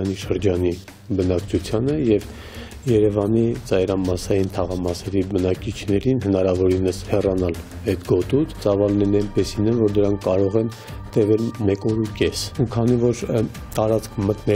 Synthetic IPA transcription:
niʃəɾd͡ʒɑni | bənɑkt͡ʃʰut͡sʰjɑnəjɛv | jɛɾɛvɑnit͡sɑjɾɑmɑsɑjint̪ʰɑʁɑmɑsɛɾibənɑkit͡ʃʰnɛɾinɦənɑɾɑvɔɾinəshɛrɑnɑl | ɛt̪ɡɔt̪ut͡s̪ʰt͡sɑvɑlnɛnɛnpɛsinɛnvɔɾd̪əɾɑŋkʰːɑɾɔʁɛn | t̪ɛvɛlmɛkɔɾukɛsukʰɑnivɔɾ | t̪ɑɾɑt͡skʰmət̪nɛ

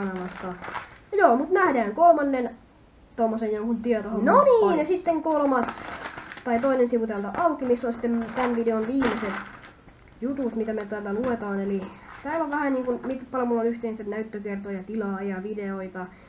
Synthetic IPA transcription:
ɑnɑlɑst̪ɑjoːmut̪næhdæːŋkolmɑnːen | t̪omːosejjoŋkunt̪iɛt̪ohonnoniːnsit̪ːeŋkolmɑst̪ɑit̪oinensiʋut̪elt̪ɑʔɑukimisːonsi̥t̪ːemt̪ænʋideonʋiːmeset̪ | jut̪ut̪mit̪æmet̪ælːæluet̪ɑːnelit̪æːloʋʋæhæniːŋkunmit̪pɑlomulːonyht̪einsennæyt̪ːøkert̪ojɑt̪ilɑːjɑʋideoit̪ɑ

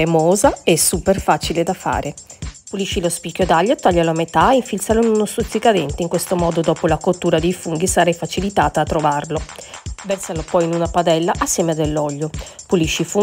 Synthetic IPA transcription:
emoːzaɛsːuperfaːt͡ʃiled̪afa̰ːɾʔepuliʃːilospikːjod̪aʎːot̪aʎːaloamet̪aeiɱfilt̪saloinunost̪ut̪sːikad̪ɛnt̪eiŋkwest̪omɔːd̪od̪ɔːpolakot̪ːuːɾad̪ejfuŋɡisaɾɛjfat͡ʃilit̪aːt̪aːt̪ːɾovarlovɛrsalopɔjinunapad̪ɛlːaʔasːjɛːmead̪ːelːɔʎːopuliʃːifu

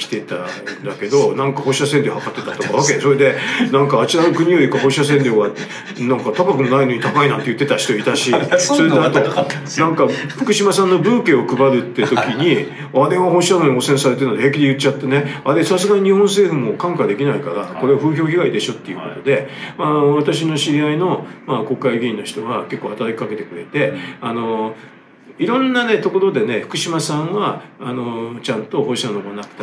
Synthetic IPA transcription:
kʲi̥t̪et̪a̰d̪ake̞d̪o̞nãŋkaho̞ːɕiasẽnd̪ʲehakat̪ːe̞t̪at̪o̞kaβaked̪eso̞ɾe̞d̪e̞nãŋkaːt͡ɕiɾaɡɯkɯ̟ɲ̟ijo̞ikaɦoɕias̬ẽ̞nd̪ʲeβa | nãŋkat̪akakɯ̟no̞naino̞ɲ̟it̪akainã̰nt̪e̞jɯ̟t̪ːe̞t̪aɕi̥t̪o̞it̪aɕisoɾenat̪o̞nãŋkaɸɯ̟̥kɯ̟ɕimasãnːo̞bɯ̟ːke̞ːo̞kɯ̟baɾɯ̟t̪ːe̞t̪o̞kʲiɲ̟i | ad̪ẽ̞βaho̞ːɕiamoɲʲiosẽ̞ɰ̃saɾe̞t̪e̞ɾɯnod̪eheːkʲid̪e̞jɯ̟t͡ɕːat̪ːene̞aɾesasɨɡaɲ̟iɲ̟ihõɰ̃s̬e̞ːɸɯ̟mo̞kãŋkad̪e̞kʲinaikaɾako̞ɾe̞ɸɯ̟ːço̞ːçiɡaid̪e̞ɕo̞t̪ːe̞jɯ̟ko̞t̪o̞d̪e̞maβat̪aɕ̬ino̞ɕiɾʲiaino̞mako̞kːaiɡʲiĩnːo̞çi̥t̪oɡake̞kːoːhat̪aɾakʲi̥kake̞t̪e̞̥kɯ̟ɾe̞t̪e̞ano̞ | iɾõ̞nːane̞t̪o̞ko̞ɾo̞d̪ene̞ɸɯ̥kɯ̟ɕimasãŋɡaːno̞t͡ɕãnt̪o̞hoɕi̥anomonakɯ̥t̪a

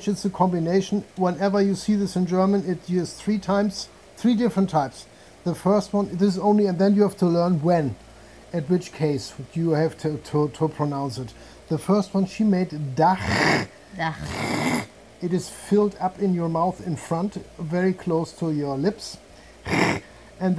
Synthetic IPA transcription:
t͡ʃɨtsɨkʰɑ̃mbɨneɪʃn̩wɛ̃nɛvə˞jɨsiðɪsɨ̃nd͡ʒɜ˞mə̃nɪtɪz̥θɹitʰãɪ̃mz̥ | θɹidɪfɹə̃ntʰaɪps | ðəfɜ˞st̚wʌ̃nɪɾɨzõʊ̃nliɨ̃nðɨ̃njɨhæftʰəlɜ̃˞nwɛ̃n | ɨt̚wɨt͡ʃkʰeɪsjɨhæv̥tʰɨtʰətʰəpʰɹ̥ənãʊ̃nsɨt̪̚ | ðəfɜ˞st̚wʌ̃nʃimeɪddax | ɨɾɨz̥fɪlˠdʌpɪ̃njə˞maʊθɪ̃nfɹʌ̃ntvɛɹikʰl̥oʊstʰəjə˞lɪps | ɨ̃nð

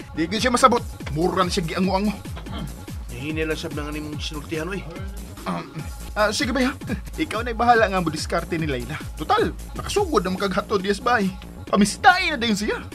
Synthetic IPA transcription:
d̪ɪɡʊd̪ʃamɐsɐbot̪̚muɾanɐʃaɡɪʔɐŋoʔɐŋo | nainilaŋsab̚nɐŋanimʊŋsɪnʊɾt̪ɪhanʔoj | ʔa | ʔasiɡɪbajhaʔɪkawnajbaɦaːlaʔŋamʊd̪ɪskaɾt̪ɛnɪlajlat̪ʊt̪al | nɐkɐsuɡʊd̪nɐŋmɐkɐɡɦat̪old̪ɪɛsbaʔ | pɐmɪst̪aʔɪnad̪ajʊns̬ɪja

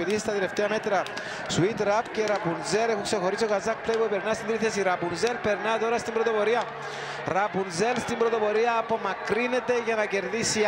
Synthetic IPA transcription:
it̪isst̪ɐt̪ele̞ft̪eɐme̞t̪ɾɐ | suit̪ɾɐpceɾɐpunzeɾexuŋkse̞xo̞ɾis̬iokazɐk̚pljpupeɾnɐst̪ind̪ɾiθesiɾɐpunzelpeɾnɐt̪o̞ɾɐst̪imbɾot̪opoɾiɐ | ɾɐpunzelst̪imbɾot̪o̞po̞ɾiɐːpo̞mɐkɾine̞t̪e̞ʝɐnɐce̞ɾðisi

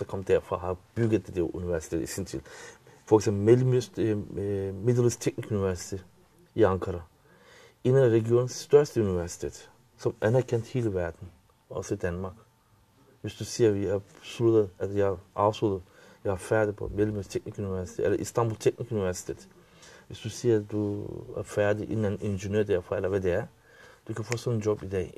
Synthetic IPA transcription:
dɑkʰɒ̽m̰d̥æɐfʁɑ̰ɦɑb̥yɡ̥ð̩ˠd̪̥ed̥eɐʔuniʋæɐsi̥t͡sʰḛːd̥̪isint͡sʰilfɒeɡ̥semb̥l̩me | medˠəlst͡sʰeɡ̥nikʰuniʋæɐsi̥t͡sʰe̝ | iɑ̈ŋkʰɑɾɑ | e̝nənæʁɛɡio̝̰ːnn̩sːd̥ɶɐsd̥əuniʋæɐsi̥t͡sʰe̝̰ːd̥̪ | sɒ̽mænæɐkʰen̰d̥he̝ːləʋæɐd̥n̩ | ɒsəid̥ænmɑ̈ːɡ̥ | ʋɪsd̪ʉsiːəʋæsuluːt̪əɛjaʔɑʋsud̪ə | jahafæːd̪ipʰɔ̰mɛd̪lmøst̪ʰɛk̚nikynɪʋæsi̥t̪ʰeɛ̰lːəʔḭst̪ɑmbulˠt̪ʰɛk̚nikynɪʋæsi̥t̪ʰeːt̪ | ʋɪsd̪̥ʉsiːətd̪uæ̰fæːd̪iʔɪ̰nɛnʔɪnʒənøːd̪ɛfɔɛlːɐʋɛd̪ɛæ | d̪̥ukʰænfoːsɔnːd͡ʒɔbid̪ɛ

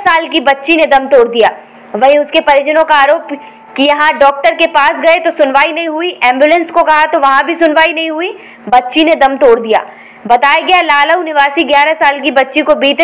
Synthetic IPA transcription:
saːlkibɐtːʃined̪ɐmt̪oːɾd̪ijaː | ʋɐɦĩʊskepɐɾɪd͡ʒənõkaaːɾoːp | kijɐɦãɖɔːk̚ʈəɾkepaːsɡɐet̪osʊnʋaːinɐɦĩɦʊiʔɛ̃ːmbjulə̃nskokɐɦat̪oʋɐɦãbʱisʊnʋaːinɐɦĩɦui | bɐtːʃined̪ɐmt̪oːɾd̪ija̰ː | bɐt̪aːjaɡɐjalaːləunɪʋaːsiɡjaːɾasaːlk̬ibɐtːʃikobiːt̪

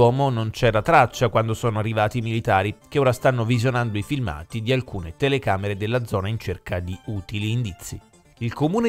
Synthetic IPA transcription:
ɔːmonont͡ʃɛːɾat̪ɾat͡ʃːakwand̪osɔːnoarːivaːt̪imilit̪aːɾikeoːɾast̪anːovizjonand̪oifilma̰ːt̪id̪ialkuːnet̪elekaːmeɾed̪elːad̪zɔːnaint͡ʃerkad̪iuːt̪iliːnd̪it̪sːi | ilkomuːne

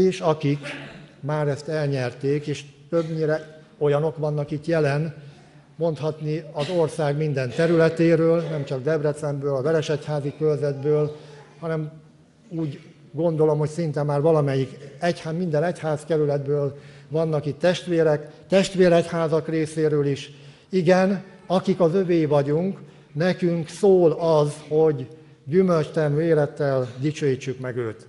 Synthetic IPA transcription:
eːʃɒkikmaːɾɛst̪ɛlɲɛrt̪eːkeːʃt̪øbɲiɾɛ | o̞jɒno̞kʋɒnːɒkit̪jɛlɛn | mo̞nt̪hɒt̪niɒzo̞rsaːɡmind̪ɛnt̪ɛɾylɛt̪eːɾøːlnɛmt͡ʃɒɡ̚d̪ɛbrɛt̪sɛmbøːlɒvɛɾɛʃɛchaːzikølzɛd̪bøːlhɒnɛm | uːɟ | ɡo̞nd̪o̞lo̞mho̞csint̪ɛmːaːrʋɒlɒmɛjːikɛchamind̪ɛnɛchaːskɛɾylɛd̪bøːlvɒnːɒkit̪ːɛʃt̪ʋeːɾɛkt̪ɛʃt̪ʋeːɾɛchaːzɒkreːseːɾøːliʃ | iɡɛn | ɒkikɒzøveːjvɒɟuŋk | nɛkyŋksoːlɒzho̞ɟː | ymølt͡ʃt̪ɛryːeːlɛt̪ːɛld̪it͡ʃøːjit͡ʃːykmɛɡø̰ːt̪

